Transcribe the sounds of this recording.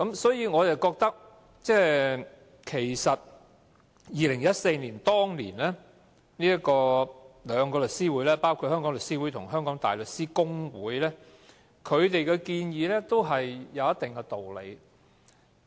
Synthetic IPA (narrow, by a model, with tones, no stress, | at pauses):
kɐ˨˥msɔː˨˥jiː˧ŋɔː˨˧jɐ˨˩wkɔː˧k̚t̪ɐ˥k̚ | t͡sɛː˥ | kʰe˨˩jsɐ˨t̚ | jiː˨lɪ˨˩ŋjɐ˥t̚se˧jniː˨˩nt̪ɔː˥ŋlḭː˨˩nlɛː˥ | niː˥jɐ˥tkɔː˧lœː˨˧ŋkɔː˧lɵ˨k̚siː˥wuː˨˥jlɛː˥paː˥wkʰu˧t̚hœː˥ŋkɔː˨˥ŋlɵ˨k̚siː˥wuː˨˥jt̪ʰʊ˨˩ŋɦœː˥ŋkɔː˨˥ŋt̪a̰ː˨jlɵ˨k̚siː˥kʊ˥ŋwuː˨˥jlɛː˥ | kʰɵ˨˧ɥt̪e˨jkɛ˧kiː˧njiː˨˧lɛː˥t̪o˥wɦɐ˨jjɐ˨˧wjɐ˥t̪ɪ˨ŋkɛ˧t̪o˨wlḛ˨˧j